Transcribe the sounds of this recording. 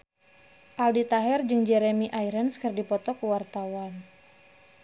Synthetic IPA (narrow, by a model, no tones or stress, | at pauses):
ʔaldit̪aɦɛrd͡ʒɨŋd͡ʒɛɾemiʔajɾənskərdipɔt̪ɔkəwart̪awan